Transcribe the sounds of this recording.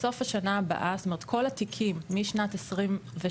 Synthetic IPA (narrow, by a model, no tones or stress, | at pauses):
so̞fhaʃanaːba̰ʔast̪ome̞et̪̚kʰo̞lat̪ikʰimːiʃnatesʁimve